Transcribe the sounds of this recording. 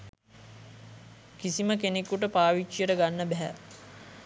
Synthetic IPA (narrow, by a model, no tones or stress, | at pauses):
kisiməkenekːuʈəpaːʋit͡ʃːijəʈəɡanːəbɛɦæ̰